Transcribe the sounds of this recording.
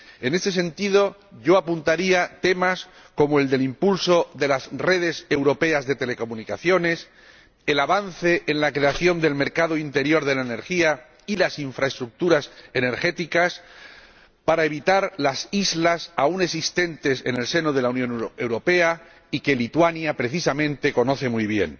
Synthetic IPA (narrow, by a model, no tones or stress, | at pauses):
e̞ne̞st̪e̞s̬e̞nt̪ið̞o̞ʝo̞apunt̪aɾiat̪e̞mas | ko̞moe̞ld̪e̞limpulso̞ðe̞lasre̞ð̞e̞se̞wɾo̞pe̞azðe̞t̪e̞le̞ko̞mũnikaθjo̞ne̞s | elaβanθe̞ʔenlakɾe̞aθjo̞nd̪e̞lme̞ɾkaðoint̪e̞ɾjo̞ɾðe̞laene̞ɾxia | ilasiɱfɾae̞st̪ɾuk̚t̪uɾase̞ne̞ɾxe̞t̪ikas | paɾae̞β̞it̪aɾlasizlasaune̞ks̬ist̪e̞nt̪e̞se̞ne̞lse̞noðe̞launjõ̞neoe̞wɾo̞pe̞a | ike̞lit̪wanjapɾe̞θisamẽ̞nt̪e̞ko̞no̞θe̞mujβ̞je̞̰n